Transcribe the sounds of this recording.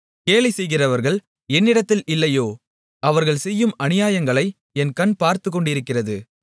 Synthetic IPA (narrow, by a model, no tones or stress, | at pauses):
keːlɪsɛjɣɪrɐʋɐɾɣɐɭ | ɛnːɪɽɐt̪ːɪlɪlːɐjoː | ɐʋɐɾɣɐɭsɛjːɯmɐnɪjaːjɐŋɡɐɭɐɪ | ɛnkɐnpaːɾt̪ɯk̬ːɔɳɖɪɾɯkːɪrɐðɯ